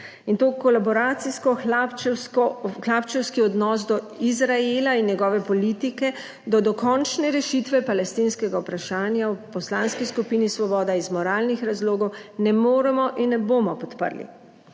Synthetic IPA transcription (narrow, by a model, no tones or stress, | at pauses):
int̪oːkɔlabɔɾaːt̪siskɔxp | xlapt͡ʃɛwskiɔd̪nɔːsd̪ɔ | izɾaelainjɛɡɔːʋɛpɔliːt̪ikɛ | d̪ɔd̪ɔkɔnt͡ʃnɛɾɛʃit̪ʋɛpalɛst̪inskɛɡawpɾaʃaːnjawpɔslanskiskupiːnisʋɔbɔːd̪aizmɔɾaːlnixɾazloːɡɔwnɛmoːɾɛmɔʔinːɛboːmɔpɔt̪pə̰ɾlḭ